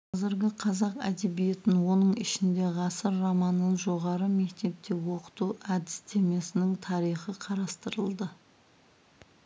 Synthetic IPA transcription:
qʰɑzɪɾɡʲɪqʰɑzɑqæ̰d̪e̞bije̞t̪ɪnwo̞nəɴɪʃɪnd̪e̞ʁɑsəɾːɑmɑnənʒo̞ʁɑɾəme̞k̚t̪e̞p̚t̪e̞wo̞qə̥t̪uʔæd̪ɪst̪ʰe̞me̞sɪnɪŋt̪ʰɑɾijχəqʰɑɾɑst̪əɾəlˠd̪ə

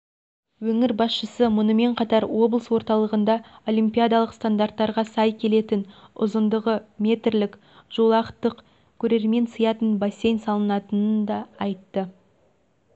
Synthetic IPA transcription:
wɵŋɪɾbɑsʃəsəmʊnəme̞ɴqʰɑt̪ɑɾwo̞blˠəswo̞ɾt̪ɑlˠəʁənd̪ɑo̞limpʲijad̪alˠəqst̪and̪art̪ːɑɾʁɑsɑjkʲʰe̞le̞t̪ɪnʊ̰zənd̪əʁəmʲe̞t̪rlɪk | ʒ̥o̞lˠɑqət̪ːəq | kʲʰɵɾe̞ɾme̞nsəjɑt̪ənbase̞jnsɑlˠənɑt̪ənənd̪ɑːjt̪ːə

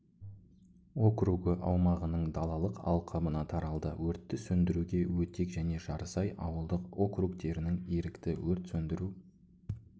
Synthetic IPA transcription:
o̞kruɡəʔɑwmɑʁənəɴd̪ɑlˠɑlˠəqɑ̰lˠqʰɑbənɑt̪ʰɑɾɑlˠd̪əwɵɾt̪ːɪsɵnd̪ɪɾuɡʲe̞wɵt̪e̞kʒæne̞ʒɑɾəsɑjɑ̰wəlˠd̪əqo̞krukt̪e̞ɾɪnɪŋeɾɪkt̪ɪwɵɾt̪sɵnd̪ɪɾu

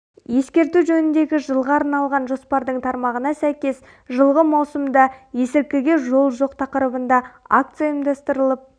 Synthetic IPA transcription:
je̞skʲe̞ɾt̪uʒɵnɪnd̪e̞ɡʲɪʒəlˠʁɑːɾnɑlˠʁɑnʒo̞spɑɾd̪əɴt̪ʰɑɾmɑʁənɑsæjkʲe̞s | ʒəlˠʁəmɑwsəmd̪ɑje̞sɪɾkʲɪɡʲe̞ʒo̞lˠʒo̞qt̪ʰɑqəɾəbənd̪ɑak̚t̪sɨjaəmd̪ɑst̪əɾəlˠəp̚

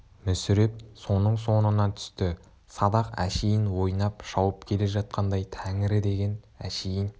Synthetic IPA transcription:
mʏsʏɾep̚so̞nəɴso̞nənɑt̪ʰʏ̥st̪ɪ | sɑd̪ɑqæ̰ʃejɪnwo̞jnɑpʃɑwəpkʲʰe̞le̞ʒɑt̪̚qʰɑnd̪ɑjt̪ʰæŋɪɾɪd̪e̞ɡʲe̞n | æʃejɪn

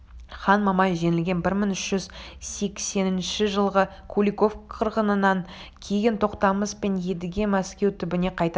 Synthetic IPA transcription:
χɑnmɑmɑʒe̞nɪlɡʲe̞nbɪɾməŋʏʃʒ̥ʏzse̞kse̞nɪnʃɪʒəlˠʁə | kʰulʲiko̞fqʰəɾʁənənɑŋkʲʰe̞jɪnt̪ʰo̞qt̪ɑməspe̞nje̞d̪ɪɡʲemæskʲe̞wt̪ʰʏbɪneqʰɑjt̪

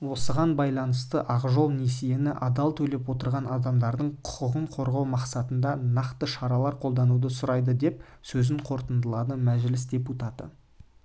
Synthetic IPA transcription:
wo̞səʁɑnbɑjlˠɑnəst̪əʔɑʁʒo̞lˠnesijenɪʔɑd̪ɑlˠt̪ʰɵle̞pwo̞t̪əɾʁɑnɑd̪ɑmd̪ɑɾd̪əɴqʰʊ̥qəʁəɴqʰo̞ɾʁɑwmɑqsɑt̪ənd̪ɑnɑqt̪əʃɑɾɑlˠɑɾqʰo̞lˠd̪ɑnud̪əsʊɾɑjd̪əd̪e̞p̚ | sɵzɪɴqʰo̞ɾt̪ənd̪əlˠɑd̪əmæʒlɪs̬d̪ʲe̞put̪ɑt̪ə̰

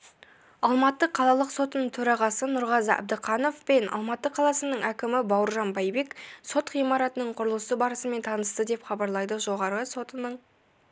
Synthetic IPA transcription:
ɑlˠmɑt̪ːəqʰɑlˠɑlˠəqso̞t̪ənəɴt̪ʰɵɾɑʁɑsənʊɾʁɑzɑ̰b̚d̪əqʰɑno̞fpe̞nɑ̰lˠmɑt̪ːəqʰɑlˠɑsənəɴʔækʲɪmɪbɑwɾʒɑnbɑjbe̞kso̞t̪χijmɑɾɑt̪ənəɴqʰʊɾəlˠəsəbɑɾəsəme̞nt̪ʰɑnəst̪əd̪e̞pχɑbɑɾlˠɑjd̪əʒo̞ʁɑɾəso̞t̪ənəɴ

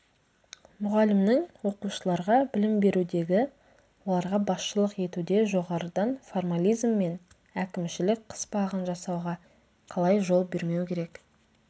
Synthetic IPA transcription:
mʊʁɑlɪmnɪŋwo̞quʃəlˠɑɾʁɑbɪlɪmbe̞ɾud̪e̞ɡʲɪ | wo̞lˠɑɾʁɑbɑsʃəlˠəqe̞t̪ud̪e̞ʒo̞ʁɑɾəd̪ɑnformalʲijzmːe̞n | ækʲɪmʃɪlɪk̚qʰə̥sbɑʁənʒɑsɑwʁɑ | qʰɑlˠɑjʒo̞lˠbe̞ɾme̞wkʲʰe̞ɾek

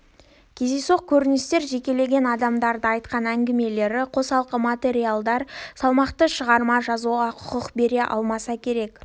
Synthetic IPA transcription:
kʲʰe̞ze̞soq̚kʲʰɵɾɪnɪst̪e̞ɾʒe̞kʲe̞le̞ɡʲe̞nɑd̪ɑmd̪ɑɾd̪əɑjt̪qɑnæŋɡʲɪme̞le̞ɾɪqʰo̞sɑlˠqəmat̪ʲe̞ɾijalˠd̪ɑɾsɑlˠmɑqt̪əʃəʁɑɾmɑʒɑzuʁɑqʰʊ̥qəqbe̞ɾe̞ʔɑ̰lˠmɑsɑkʲʰe̞ɾe̞k

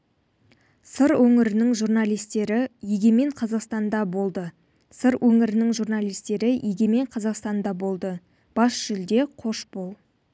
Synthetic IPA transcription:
səɾwɵŋɪɾɪnɪŋʒurnɑlˠijst̪e̞ɾɪjeɡʲe̞me̞ɴqʰɑzɑqst̪ɑnd̪ɑbo̞lˠd̪ə | səɾwʔɵŋɪɾɪnɪŋʒurnɑlˠijst̪e̞ɾɪjʔeɡʲe̞me̞ɴqʰɑzɑqst̪ɑnd̪ɑbo̞lˠd̪ə | b̥ɑsʒ̥ʏld̪e̞qʰo̞ʃbow̪ˠ

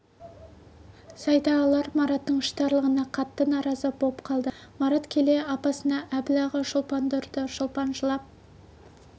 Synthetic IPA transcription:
sɑjd̪ɑːlˠɑɾmɑɾɑt̪ːəɴʃt̪ɑɾlˠəʁənɑqʰɑt̪ːənɑɾɑzəbo̞pqʰɑlˠd̪əmɑɾɑt̪kʲʰe̞le̞ɑpɑsənɑʔæbɪlɑʁəʃʊlˠpɑnd̪ʊɾd̪əʃʊlˠpɑnʒəlˠɑp̚

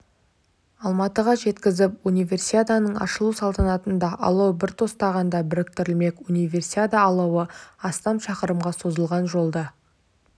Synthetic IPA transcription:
ɑlˠmɑt̪əʁɑʒe̞t̪kʲɪzɪpunijvʲe̞rsiad̪anəɴɑ̰ʃəlˠusɑlˠt̪ɑnɑt̪ənd̪ɑʔɑ̰lˠɑwbɪɾt̪ʰo̞st̪ɑʁɑnd̪ɑbɪɾɪk̚t̪ɪɾɪlme̞kunijvʲe̞rsiad̪aːlˠɑwəɑst̪ɑmʃɑqəɾəmʁɑso̞zəlˠʁɑnʒo̞lˠd̪ɑ

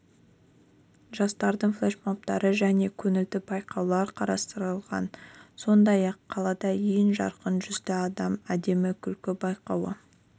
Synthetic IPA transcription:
ʒɑst̪ɑɾd̪əɴflˠeʃmop̚t̪ɑɾəʒæne̞kʲʰɵnɪld̪ɪbɑjqɑwlˠɑɾqʰɑɾɑst̪əɾəlˠʁɑ̰nso̞nd̪ɑjɑqʰːɑlˠɑd̪ɑjenʒɑ̰ɾqənʒʏzd̪ɪɑd̪ɑmæd̪e̞mɪkʲʰʏlkʲɪbɑjqɑwə̰

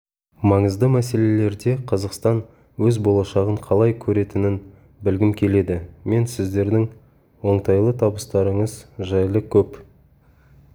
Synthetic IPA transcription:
mɑɴəzd̪əmæse̞le̞le̞ɾd̪e̞qʰɑzɑqst̪ɑn | wɵzbo̞lˠɑʃɑʁəɴqʰɑlˠɑjkʲʰɵɾe̞t̪ɪnɪn | bɪlɡʲɪmkʲʰe̞le̞d̪ɪme̞nsɪzd̪e̞ɾd̪ɪŋ | wo̞ɴt̪ɑjlˠət̪ʰɑbəst̪ɑɾəɴəzʒɑjlˠəkʲʰɵp

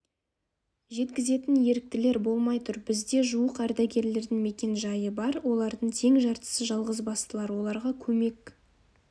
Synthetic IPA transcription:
ʒe̞t̪kʲɪze̞t̪ɪnje̞ɾɪk̚t̪ɪle̞ɾbo̞lˠmɑjt̪ʰʊɾbɪzd̪e̞ʒuəqæɾd̪æɡʲe̞ɾle̞ɾd̪ɪŋme̞kʲe̞nʒɑjəbɑɾwo̞lˠɑɾd̪əɴt̪ʰe̞ŋʒɑɾt̪ə̥səʒɑlˠʁəzbɑst̪əlˠɑɾwo̞lˠɑɾʁɑkʲʰɵme̞k

